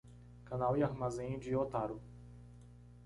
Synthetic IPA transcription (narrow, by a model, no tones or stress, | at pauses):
kãnawiaɾmazẽj̃d͡ʒɪot̪aɾʊ